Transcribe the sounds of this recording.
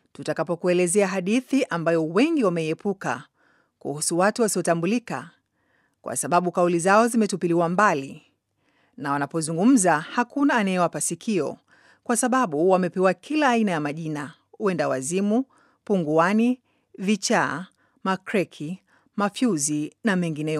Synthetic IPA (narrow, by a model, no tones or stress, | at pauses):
tutakapɔkuɛlɛzɛaɦaɗiθiʔambajɔwɛŋɡiwamɛiɛpuka̰ | kṵhusuwatuwasiɔtambulika̰ | kwʔa̰saɓaɓukaulizaɔzimɛtupiliwambali | nawanapɔzuŋɡum̩zahakunaːnajɛwapasikʰiɔ̰ | kwasaɓaɓuwamɛpɛwakʰilaːinajamaʄina | uɛndawa̰zimu | puŋɡuani | vit͡ʃa | makɾɛkʰi | mafjuzinamɛŋɡinɛ